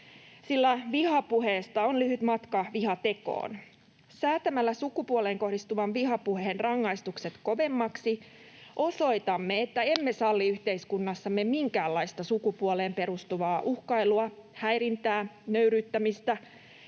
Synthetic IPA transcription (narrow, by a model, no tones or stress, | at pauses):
silːæʋihɑpuheːst̪ɑonlyhyt̪mɑt̪kɑʋihɑt̪e̞ko̰ːn | sæːt̪æmælːæsukupuoleːŋko̞hdist̪uʋɑnʋiɦɑpuheenrɑŋːɑist̪ukset̪ko̞ʋe̞mːɑksi | ʔo̞so̞it̪ɑmːeet̪ːæe̞mːesɑlːiyht̪e̞iskunːɑsːɑmːemiŋkæːlːɑist̪ɑsukupuoleːmpe̞ɾust̪uʋɑːʔuhkɑiluɑhæjɾint̪æːnøyɾyːt̪ːæmist̪æ